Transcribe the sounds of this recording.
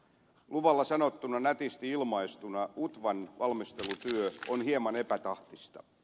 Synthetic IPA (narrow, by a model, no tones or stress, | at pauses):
luʋɑlːɑsɑnot̪ːunɑnæt̪ist̪iilmɑist̪unɑut̪ʋɑnʋɑlmist̪e̞lut̪yøonɦhiemɑne̞pæt̪ɑht̪ist̪ɑ̰